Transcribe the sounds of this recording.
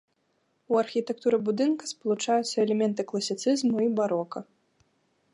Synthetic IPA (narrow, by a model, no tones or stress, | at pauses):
uɐrxʲit̪ɛk̚t̪uɾɛbud̪ɨnkɐspɐlˠut͡ʂajut̪sːɐɛlʲɛmʲɛnt̪ɨklˠɐsʲit̪sɨzmuibaɾɔkɐ